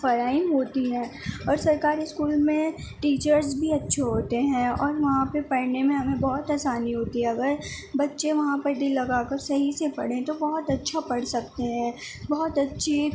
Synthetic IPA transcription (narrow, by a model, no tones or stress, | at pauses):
fɐɾaːiɦoːt̪iɦɛ̃ːɔːɾsɐɾkaːɾiskuːlmẽʈiːt͡ʃəɾzbʱiɐtːʃʰeɦoːt̪eɦɛ̃ɔːɾʋɐɦãpepɐɽnemẽɦɐmẽbɔːʊt̪aːsaːniɦoːt̪iɦɛ̃ɐɡəɾ | bɐtːʃẽʋɐɦãpɐɾd̪ɪlːɐɡaːkɐɾsɐɦisepɐ̰ɽẽt̪obɔːʊt̪ɐtːʃʰapɐɽsɐk̚t̪eɦɛ̃ː | bɔːt̪ɐtːʃʰi